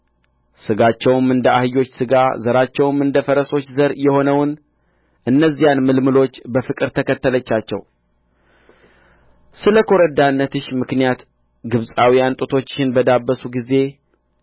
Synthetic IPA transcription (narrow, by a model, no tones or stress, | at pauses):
sɨɡat͡ʃːɛwmɨnd̪əʔahɨjo̞t͡ʃːsɨɡazəɾat͡ʃːɛwmɨnd̪əfəɾəso̞t͡ʃːzəɾjɛho̞nəwn | ʔɨnːəzːijanmɨlmɨlo̞t͡ʃːbəfɨkʼɨɾt̪ʰəkʰət̪ːələt͡ʃːat͡ʃːɛ̰w | sɨləkʰo̞ɾəd̪anːət̪ʰɨʃmɨknijat̪ | ɡɨβsʼawijant̪ʼɨt̪ʰo̞t͡ʃːʃɪnbəd̪abːəsuɡize̞